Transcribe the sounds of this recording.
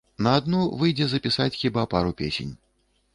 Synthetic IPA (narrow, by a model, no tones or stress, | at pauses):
nɐːd̪nuvɨjd͡zʲɛzɐpʲisat͡sʲxʲibapaɾupʲḛsʲḛnʲ